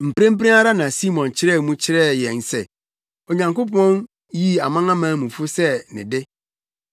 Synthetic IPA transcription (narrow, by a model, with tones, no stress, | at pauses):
m̩˨pɾẽ˦m̩˦pɾẽ˦a˦ɾa˦nã˨si˦mɔ̃˨nt͡ɕʰɪ˦ɾɛ˦˨mũ˦t͡ɕʰɪ˦ɾɛ˦˨jɛ̃˨n˨sɛ˨ | ɔ˨ɲã˨ŋkʊ˦pʰɔ̃˦n | ji˦a˨mã˦ŋã˦mãː˨˦mũ˨fʊ˦sɛ˦nɪ̰̃˨dɪ˦